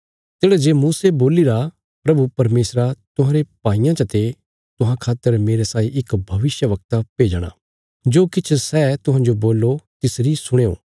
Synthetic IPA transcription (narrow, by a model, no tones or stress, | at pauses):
t̪eːɽad͡ʒeːmuːseboːliɾa | pɾɐbupɐɾmeːsɾat̪ʊɦãɾepaːijãt͡ʃɐt̪e | t̪ʊɦãkʰaːt̪ːəɾmeːɾesaːiʔɪkbʱɐʋɪsjəʋɐk̚t̪apeːd͡ʒɽ̃a̰ː | d͡ʒoːkɪt͡ʃʰsɛːt̪ʊɦãd͡ʒoboːlːot̪ɪsɾisʊɽ̃eːo̰ː